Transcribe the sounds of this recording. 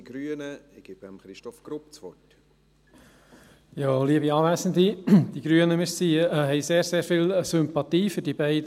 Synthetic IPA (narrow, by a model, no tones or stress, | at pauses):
ɡ̥ɾyənəɪɡ̥ɪb̥əmχɾɪʃtɔfɡ̥ɾup̚t͡sʋɔt | joːliəbiɑːʋæsənd̪id̥̪iɡ̥ɾyənəmɪssiːɦɛjseːɾseːɾfiːlsʏmpɑt̪iːfɵɾd̥ibɛɪd